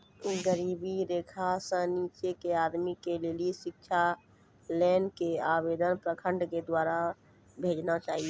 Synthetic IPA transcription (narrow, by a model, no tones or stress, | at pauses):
uɡəɾiːbiɾeːkʰasə̃niːt͡ʃekeaːd̪mikeleːliʃɪk̚t͡ʃʰa | lɛːnkeaːbeːd̪ənpɾəkʰə̃ɳɖked̪waːɾa | bʱeːd͡ʒnat͡ʃaːɦie